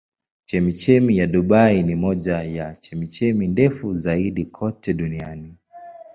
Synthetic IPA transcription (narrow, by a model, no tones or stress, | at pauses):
t͡ʃɛmit͡ʃɛmijaɗuɓainimɔʄajat͡ʃɛmit͡ʃɛmindɛfuzaiɗikʰɔtɛɗuniani